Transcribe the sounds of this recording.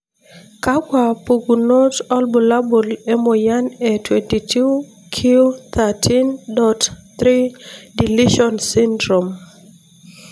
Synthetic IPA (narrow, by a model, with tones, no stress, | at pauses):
ka˦ɡwa˨pu˨ɡu˨no˦tɔ˦lbu˨la˦bu˨le˦mo˨ja˦ne˨twenti˨tʰu˦ | kʰi˦o˦t̪a˨tʰi˦ndɔ˨tt̪ɾi˦di˨li˦ʃɔ˨nsi˦ndɾo˨m